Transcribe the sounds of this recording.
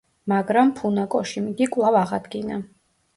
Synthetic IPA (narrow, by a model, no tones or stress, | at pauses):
maɡɾampʰunakʼɔʃimɡikʼwlˠavaʁad̪ɡina